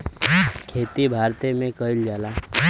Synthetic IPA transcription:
kʰeːt̪ibʱaːɾt̪emẽkəɪld͡ʒaːlaː

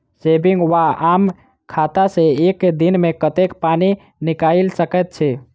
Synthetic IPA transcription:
sebiŋɡwaam | kʰat̪aseekd̪inmekət̪ekpani | nikailsəkɛt̪̚t͡ʃʰɛ

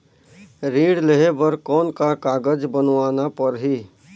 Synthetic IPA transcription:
ɾĩːɽleɦebəɾkɔːnkakaːɡəd͡ʒbənʋaːnapəɾɦi

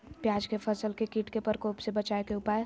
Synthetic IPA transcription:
pjaːd͡ʒkepʰəsəlkekiːʈkepəɾkoːpsebət͡ʃaekeʊpae

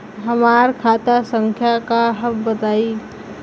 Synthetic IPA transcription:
ɦəmaɾkʰat̪asə̃ŋkʰjakaɦəmbət̪aːi

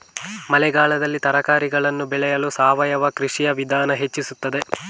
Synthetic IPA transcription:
mɐlɛɡaːɭɐd̪ɐlːit̪ɐɾɐkaːɾiɡɐɭɐnːubɛɭɛjɐlusaːʋɐjɐʋɐkɾiʂijɐʋid̪ʱaːnɐɦe̞t͡ʃːisut̪ːɐd̪e̞

